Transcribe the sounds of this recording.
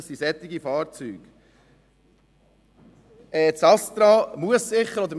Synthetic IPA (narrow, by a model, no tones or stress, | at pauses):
sisɛt̪ːɪɡifɑːɾt͡syːɡ̥ | ɛːt͡sɑst̪ɾɑmuəssɪχːəɾɔd̪əɾm